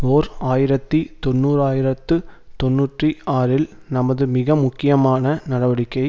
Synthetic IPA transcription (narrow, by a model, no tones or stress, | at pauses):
oːɾaːjɪɾɐt̪ːit̪ɔnːuːɾaːjɪɾɐt̪ːɯt̪ɔnːuːʈriaːɾɪl | nɐmɐðɯmɪɣɐmʊkːɪjɐmaːnɐnɐɽɐʋɐɽɪkːɐɪ